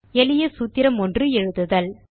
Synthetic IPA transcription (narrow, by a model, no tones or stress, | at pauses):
ɛlɪjɐsuːt̪ːɪɾɐmɔndrɯɛɻɯðɯðɐl